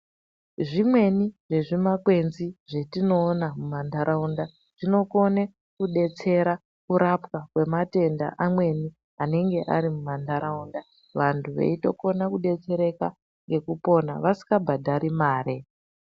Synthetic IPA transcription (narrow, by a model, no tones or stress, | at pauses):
ʐimwe̞niʐe̞ʐimakwe̞nziʐe̞tino̞ːnamumandaɾaunda | ʐ̥ino̞ko̞ne | kuɗe̞t͡se̞ɾa | kuɾapkakwe̞mate̞nda̰ʔamwe̞ni | ane̞ŋɡe̞ʔa̰ɾimumandʱaɾʔaunda | ʋantʰuʋḛito̞ko̞nakuɗe̞t͡se̞ɾe̞ka | ŋɡe̞kupo̞na̰ʋasi̥kabʱadʱaɾimaːɾe̞